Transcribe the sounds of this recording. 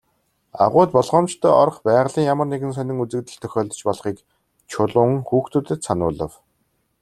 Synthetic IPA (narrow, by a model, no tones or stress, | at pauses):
a̰ʁʊːt̪̚pɔɮʁɔːmt͡ɕt̪ʰœːɔɾ̆χpæːʁɮiːŋjamə̆rneɣɘ̆nsœnʲɪ̆ŋut͡sɘ̆kt̪ɘ̆ɬt̪ʰœxʲɔːɮt̪ɞ̆t͡ɕpɔɮχiːk | t͡ɕʰʊɮʊːŋxuːxt̪uːt̪ɘ̆t̪sanʊ̰ːɮə̆w